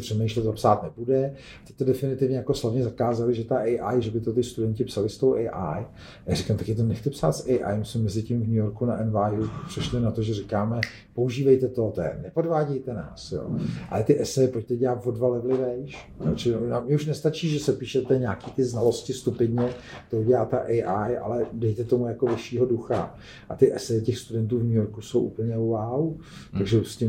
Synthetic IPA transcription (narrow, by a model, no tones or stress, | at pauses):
pr̥ɛmejʃlɛt̪apsaːt̪nɛpudɛ | t̪ɛ̥t̪odɛfɪnɪt̪ɪvɲɛjako̞slavɲɛzakaːzalɪʒɛt̪aʔɛjʔajʒɛbɪt̪ot̪ɪst̪udɛɲcɪpsalɪst̪owʔɛjʔaj | ajaːrɪkamt̪akɛt̪onɛxt̪ɛpsa̰ːt̪sɛjʔa̰jmsɛmːɛzɪcɪmvɲujoɾkunaʔɛnvaːjupr̥ɛʃlɪnat̪oʒɛrɪkaːmɛ | pouʒiːvɛjt̪ɛt̪ot̪ɛɛ̰nɛpodvaːɟɛjt̪ɛna̰ːsjo̰ːʔa̰lɛt̪ɪʔɛsɛjɪpoct̪ɛɟɛlat̪vodvalɪvlɪvɛjʃ | jo̰t͡ʃɪnamɲɛuʃnɛst̪at͡ʃiːʒɛsɛpiːʃɛt̪ɛɲaːkiːt̪ɪznalo̞scɪst̪upɪdɲɛt̪ouɟɛlaːt̪ɛʔɛʔajʔa̰lɛdɛjt̪ɛt̪o̞mujako̞vɪʃiːɦo̞duxa̰ | ʔa̰t̪ɪʔɛsɛjɪcɛxst̪udɛnt̪̬uːvɲujoɾkuso̞wʔṵpl̩ɲɛwawt̪aɡʒɛuscɪ